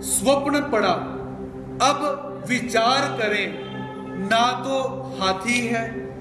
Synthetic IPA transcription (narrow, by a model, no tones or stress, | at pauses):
sʋəpnpəɽaː | əb | ʋɪt͡ʃaːɾkəɾẽː | nãːt̪õː | haːt̪ʰiːɦɛː